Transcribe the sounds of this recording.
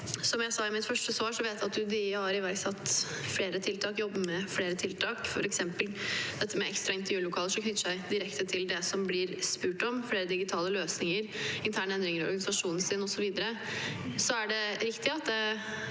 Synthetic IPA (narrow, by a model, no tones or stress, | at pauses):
sɔmjæɪsɑɪmɪt̪fœʂʈəsʋɑːʂɔʋeːt̪jæɑt̪d̪ʉd̪ɪhɑɾɪʋæɾksɑt̪ː | fleːɾət̪ʰɪlt̪ʰɑːkjɔbːəmɛfleːɾət̪ʰɪlt̪ʰɑːkfɔ̰ɾɛksɛmpəld̪ɛt̪ʰːəmɛʔɛkst̪ɾɑɪnt̪əɾjʉːlʊkʰɑːləʂɔkʰnʏt̪ːəʂæɪd̪ɪɾɛkt̪ət̪ʰɪld̪ɛsɔmblɪɾspʉːʈɔmfɽeːɾəd̪ɪɡɪt̪ʰɑːləløːsnɪŋəɾɪnt̪ʰæːɳəɛnd̪ɾɪŋəɾɔ̰ɾɡɑnɪsɑʂuːnsɪnɔsɔʋiːd̪əɾə | sɔæɖɛɾɪkt̪ɪɑt̪̚d̪ɛ